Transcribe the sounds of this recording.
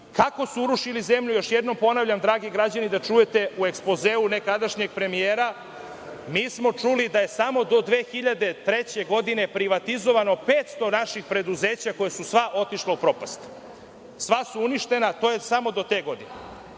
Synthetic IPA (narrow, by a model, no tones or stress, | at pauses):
kako̞suuɾuʃilize̞mʎujo̞ʃjed̪no̞mpo̞naʋʎamd̪ɾaːɡiɡɾad͡ʑanid̪at͡ʃuje̞t̪e̞ue̞kspozeːunekad̪aʃɲe̞ɡ̚pɾe̞mijeːɾa | miːsmo̞t͡ʃulid̪aje̞samo̞d̪o̞d̪ʋeːxiʎad̪e̞t̪ɾet͡ɕe̞ɡo̞d̪ine̞pɾiʋat̪izo̞ʋano̞peːt̪st̪o̞naʃixpɾe̞d̪uzeːt͡ɕako̞jesusʋaʔo̞t̪iʃlaupɾo̞past̪ | sʋasuuniʃt̪e̞nat̪ojesamo̞d̪o̞t̪eːɡo̞d̪inḛ